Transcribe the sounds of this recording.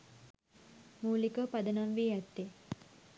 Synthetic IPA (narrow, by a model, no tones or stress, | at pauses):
muːlikəpad̪ənamʋiːat̪ːe